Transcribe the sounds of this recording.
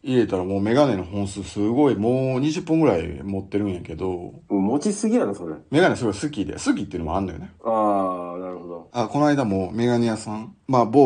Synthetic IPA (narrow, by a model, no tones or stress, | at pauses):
iɾe̞t̪aɾamoːme̞ɡane̞no̞hõɰ̃sɨːsɨɡo̞imoːɲ̟iʑɨpːɯ̃ŋɡɯ̟ɾaimo̞t̪ːe̞ɾɯ̟̃ɰ̃jake̞d̪o̞ɯ̃mot͡ɕisɨɡʲinanosoɾḛme̞ɡanesɨɡoisɨkʲid̪ḛsɨk̬ʲit̪ːeiɯ̟nomoanːojoneanaɾɯ̟hod̪oako̞noaid̪amome̞ɡaɲijasãŋmabo